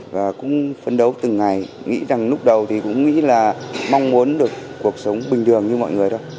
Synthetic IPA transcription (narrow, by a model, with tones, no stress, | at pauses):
vaː˨˩kʊ̰˧˥ŋ͡mfə˧nɗə˨˦wt̪ɨ˨˩ŋːa˨˩j | ŋḭ˧˥za˨˩ŋlʊ˦˥k͡p̚ɗə˨˩wt̪ʰi˨˩kʊ̰˧˥ŋ͡mŋḭ˧˥laː˨˩mɔ˧wŋ͡mmu˨˦ənɗɨ˨˩ək̚ːu˨˩ək̚sə˨˦wŋ͡mɓï˨˩ŋ̟t̪ʰɨ˨˩əŋɲɨ˧mɔ̰˧˨jŋɨ˨˩əjɗə˧j